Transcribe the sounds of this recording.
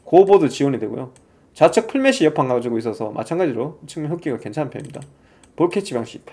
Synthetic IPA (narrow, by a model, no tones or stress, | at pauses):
kobodot͡ɕiwoɲidwe̞ɡo̰jo | t͡ɕat͡ɕʰɯk̚pʰɯɭmeɕ͈ʰijʌpʰaŋɡad͡ʑiɡois̬͈ʌsʰʌmʔa̰t͡ɕʰanɡad͡ʑiɾot͡ɕʰɯŋjʌk͈iɡake̞nt͡ɕʰanapʰeimɲida | poɭkʰet͡ɕʰibjaŋɕ͈i̥pʰ